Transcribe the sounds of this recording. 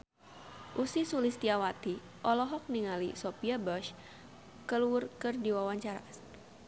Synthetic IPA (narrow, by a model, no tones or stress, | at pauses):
ʔusisulist̪iawat̪i | ʔɔlɔɦɔk̚niŋalisopiabɔʃ | kəluʊrkɨrdiwawaɲt͡ʃaɾa̰